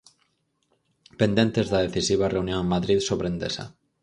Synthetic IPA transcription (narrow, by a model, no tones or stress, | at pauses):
pend̪ent̪ezðaðeθisiβ̞areunjoŋmaðɾiðsoβɾend̪esa̰